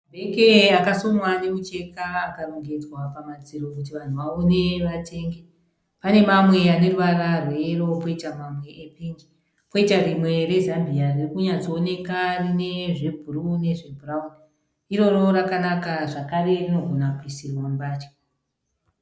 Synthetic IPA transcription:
bʱekeakasomwanemut͡ʃe̞kaːkaroŋɡed͡zwapamad͡ziɾo̞kut̬iʋan̤uʋaone̞ʋate̞ːŋɡe | pane̞mamwe̞ane̞ruʋararwero̞po̞itamamwe̞ʔepiːnd͡ʒi | po̞itarimwe̞re̞zambiaririkuɲat͡soːne̞karine̞ʐebʱurune̞ʐe̞bʱuraun | iɾo̞ro̞ɾakanakaʐakarerino̞ɡʱonakuisirwambaːt͡ʃe̥

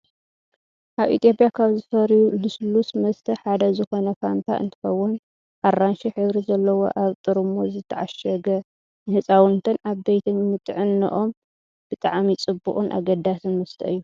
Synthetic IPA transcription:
ʔaβḭt̪ʰjo̞pʼjakʰaβzɨfɐɾjuluslusmɐst̪ʰɐħad̪ɐzɨxo̞nɐfant̪ʰa̰ʔɨ̰nt̪ʰɨ̥xɐwːʊn | ʔarːanʃiħɨβɾizɐlːɐwo̞̰ʔaβt̪ʼɨɾɨmozɨt̪ʰːɐʕaʃɐɡɐ | nɨhɨt͡sʼawɨnt̪ʰɐnaβbejt̪ʰɨnmɨt̪ʼʕɨnːɨ̰ʔo̞m | b̥ɨt̪ʼaʕmit͡sʼɨbːuʔʼunʔa̰ɡɐd̪asɨnmɐst̪ʰɐɨjːu

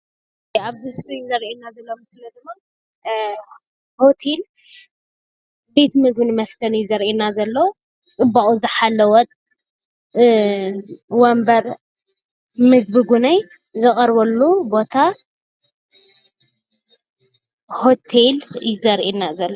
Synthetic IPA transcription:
aβzɨsɾinzɐɾʔinːazɐlːomsɨlɐzɨma | hot̪ʰel | be̞t̪mɨɡ̚bɨnmɐft̪ʰɐnjɪzɐɾʔinazɐlːow | t͡sʼɨbːaχʼuzɨħalːɐwɔt̪ʼ | wɔmbɐɾ | mɨɡ̚bɨɡunaj | zɨkʼɐɾβɐlːubo̞t̪ʰa | ho̞t̪ʰeljɪzɐɾʔinazɐlːo

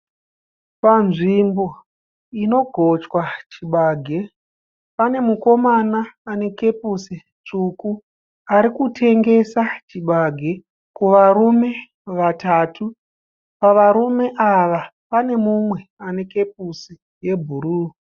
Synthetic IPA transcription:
panʐimbo̞ | ino̞ɡʱo̞t͡ʃwat͡ʃiɓaːɡʱe̞ | pane̞muko̞manaːne̞ke̞pusi | t͡ʂuku | aɾikutʰe̞ŋɡe̞sat͡ʃiɓaɡʱe̞ | kuʋarume̞ | ʋatatʰu | paʋaɾume̞ʔaʋa | pane̞mumwe̞ane̞ke̞p̚usi | je̞bʱuɾuː

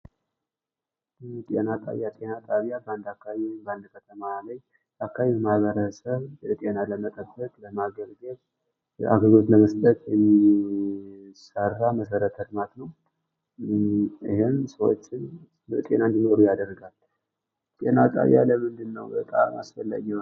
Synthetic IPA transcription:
t̪ʼe̞̰nat̪ʼa̰jat̪ʼe̞nat̪ʼaβijabəand̪akːabəand̪kʰət̪ʰəmaləɲ | jakːaβmaβəɾəsəβt̪ʼe̞naləmət̪ʼəbːət̪ʼləmaɡəɡɡəβ | ʔa̰ɡəɡot̪ləməst̪ʼət̪ʼjɛmːi | sərːaməsəɾət̪ʰəɾɨmat̪nəw | iɦensəwo̰t͡ʃːɪn | bət̪ʼe̞̰nand̪ino̞ɾujad̪ərɡal | t̪ʼe̞̰nat̪ʼa̰βja̰ləmɨnd̪ɨnːəwbət̪ʼa̰ma̰sfəlːa̰ɡ

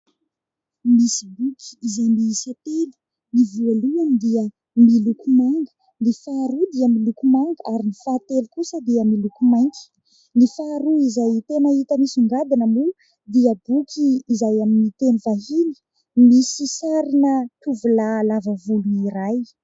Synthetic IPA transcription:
misi̥bukʰi̥izajmisat̪elu̥ | nivualuanid̪iə | milukumaŋɡə̥ | nifaːɾud̪iəmilukumaŋɡəʔaɾinifaːt̪elikusəd̪iəmilukumajŋkʲi̥ | nifaɾuizajt̪enəit̪əmisuŋɡad̪inəmu | d̪iəbukʲʰiːzajaminit̪enivaɦinə̥ | misisaɾinət̪uvulalavəvuluiɾaj

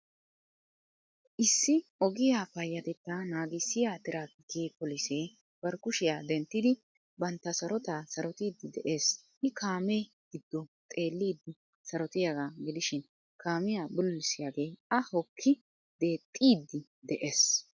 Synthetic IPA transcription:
ʔɪsːɪɔɡɪjaːfɐjːɐt̪ɛt̪ːanaːɡɪsːɪjaːt̪ɪɾaːkɪkeːpɔlɪseː | b̥ɐɾkʊʃɪjaːd̪ɛnt̪ːɪd̪ɪ | bɐnt̪ːɐsɐɾɔt̪aːsɐɾɔt̪iːd̪ːɪd̪ɛ̰ʔe̞ːsʔɪkʰaːme | ɡ̥ɪd̪ːɔt̪ʼe̞ːlːiːd̪ːɪ | sɐɾɔt̪ɪjaɡaːɡɪd̪ɪʃɪn | kʰaːmɪjaːbʊlːɪsɪjaːɡe̞ːɐhɔkʰːɪ | d̪e̞ːt̪ʼːiːd̪ːɪ | d̪ɛʔeːs

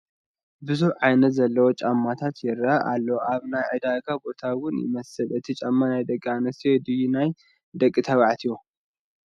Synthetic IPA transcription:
bɨzuħʕajnɐt̪zɐlːɐwot͡ʃʼamːat̪ʰat̪jɛɾaʔa̰lːɐwʔaβnajʕɨd̪aɡabo̞t̪ʰawʊnjɪ̰mɐsɨlʔɨt̪ʰit͡ʃʼamːanajd̪ɐkʼːianɐst̪ijed̪ɨjinaj | d̪ɐkʼːit̪ʰɐβaʕt̪ʰijo

